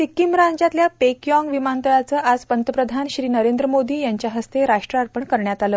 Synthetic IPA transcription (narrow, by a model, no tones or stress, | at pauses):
t̪ikimɾãɲd͡ʑat̪ljapekjɔ̃ŋɡʋimant̪əɭat͡səːʔad͡zpənt̪əpɾəd̪ʱanɕɾiːnəɾend̪ɾəmod̪iːjaɲt͡ɕjaɦəst̪eɾaʂʈɾəaɾpəɳkəɾɳjat̪aləː